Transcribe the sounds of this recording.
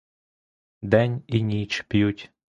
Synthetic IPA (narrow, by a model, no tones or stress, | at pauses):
d̪ɛnʲinʲit͡ʃpʲjutʲ